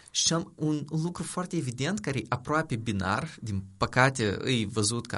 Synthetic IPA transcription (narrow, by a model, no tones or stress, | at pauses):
ʃiamunlukɾufoart̪ʲeːvid̪ent̪kaɾeʔapɾoapebina̰rd̪inpəkat̪ʲeɨ̰jvəzut̪ka̰